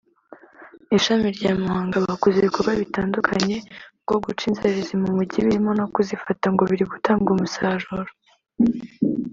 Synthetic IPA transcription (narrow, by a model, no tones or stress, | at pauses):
iʃamiɾɟaːmahaːŋɡaβakuzikuɾwaβitaːndukʰaɲe̞ɡ̥o̞ɡut͡ʃiːnzeɾizimumuɟiβiɾimo̞no̞kuzifataŋɡo̞βiɾiɡutaːŋɡumusaːʒuɾo